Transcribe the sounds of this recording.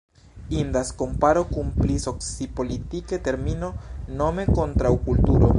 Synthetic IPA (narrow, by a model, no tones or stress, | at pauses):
ind̪asko̞mpaɾo̞kunpliso̞ksipo̞litikete̞ɾmino̞no̞me̞ko̞nt̪ɾawkultuɾo̞̰